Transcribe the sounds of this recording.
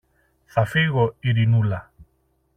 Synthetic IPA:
θafiɣoiɾinula

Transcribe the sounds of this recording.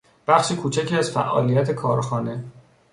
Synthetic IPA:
b̥æxʃiːkʰuːt͡ʃʰæcʰiːæz̥fæʔɒ̰ːlijæt̪ʰe̞kʰɒːɾxɒːne

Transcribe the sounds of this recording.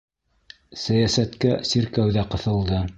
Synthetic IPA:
sæjæsæt̪kæsiɾkæwðæqɤ̆θɤ̆lˠd̪ɤ

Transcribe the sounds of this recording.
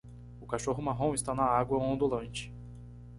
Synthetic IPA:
ʊkaʃoɦʊmaɦõw̃ɪst̪anɐaɡwɐ̃õnd̪ulɐ̃nt͡ʃɪ̥

